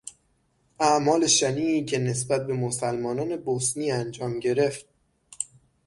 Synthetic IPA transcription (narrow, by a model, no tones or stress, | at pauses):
æʔmɒːle̞ʃæniːcʰe̞ne̞sbæt̪̚be̞mosælmɒːnɒːne̞bosniːænd͡ʒɒːmɟe̞ɾe̞ft̪̚